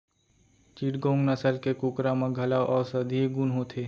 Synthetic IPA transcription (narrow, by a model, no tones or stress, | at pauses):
t͡ʃiːʈɡõːŋɡnəsəlkekʊkɾamãɡʱɐlaːʔɔːɾsɐd̪ʱieɡunɦot̪ʰeː